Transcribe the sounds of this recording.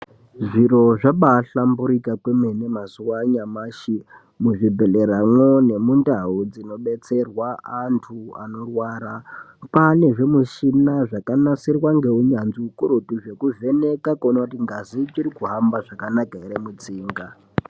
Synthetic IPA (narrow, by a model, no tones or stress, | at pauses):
ʐiɾo̞ʐaɓaɬambuɾikakwemenemasuwaɲamaʃi | muʐibʱe̞le̞ɾamwone̞mundaud͡zino̞ɓe̞t͡se̞rwaantʰua̰no̞rwaːɾa | pane̞ʐe̞muʃinaʐakanasirwaŋɡe̞uɲanziukuɾutuʐe̞kuve̞ne̞kakonakutiŋɡazit͡ʃiɾikuɦambaʐakanakaeɾemut͡siːŋɡa